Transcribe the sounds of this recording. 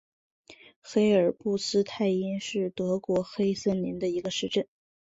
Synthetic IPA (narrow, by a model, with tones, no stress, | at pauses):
xe˥ɪə˞˨˩pu˥˩sɹ̩˥t̪ʰa˥˩ɪɛ˥nʂɻ̩˥˩t̪ɤ˧˥kwɔ˧˥xe˥ɪsə˥˩nni˧˥nd̪ə˧i˧˥ɡə˧ʂɻ̩˧˥˧ʈ͡ʂə˥˩n